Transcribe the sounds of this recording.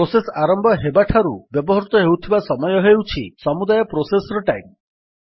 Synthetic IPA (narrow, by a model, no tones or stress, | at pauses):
osesaɾɔmbʱɔɦebaʈʰaɾubjɔbɔɦɔɾut̪ɔɦewt̪ʰibasɔmɔjɔɦewt͡ʃʰisɔmud̪ajɔpɾosesɔɾɔʈajm